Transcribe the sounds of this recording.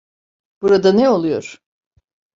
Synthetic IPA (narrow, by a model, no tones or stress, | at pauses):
b̥uɾad̪anɛo̞lˠujo̞̰ɾ̥